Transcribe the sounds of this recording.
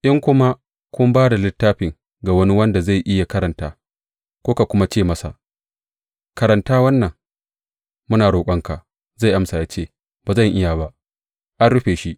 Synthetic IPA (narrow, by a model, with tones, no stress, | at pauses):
ʔɪ˦ŋkʷʊ˦ma˦ | kʷʊ˦mbaː˦da˨lɪ˦tːaː˦ɸɪ˨ŋ | ɡa˨wɐ˦ni˦wɐ˦nda˨za˦˨jʔɪ˦ja˨kɐ˦ɾɐ˨ntaː˦ | kʷoː˦ka˨kʷʊ˦ma˦t͡ʃeː˦˨mɐ˦sa̰˨ | kɐ˨ɾɐ˨ntaː˦wɐ˦nːɐ˨ŋ | mʊ˦naː˨ɽoː˨kʷʼɐ˦ŋka˨ʔ | za˦˨jʔa˦msa˨jaː˦t͡ʃeː˦˨ | baː˨zɐ˦˨ŋʔɪ˦ja˨ba˦ʔ | ʔa˦nɽʊ˦ɸeː˨ʃi˦ʔ